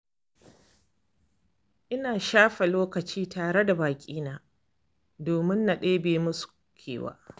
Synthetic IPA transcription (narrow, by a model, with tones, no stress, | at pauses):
ʔɪ˦naː˨ʃaː˦ɸɛ˨loː˦kɐ˨t͡ʃiː˦taː˨ɾe˦da˨baː˨kʲʼiː˦naː˨ | doː˨mɪ˦nːa˨ɗeː˦beː˨mʊ˦su̥˨ | kʲʰḛː˨wa̰ː˦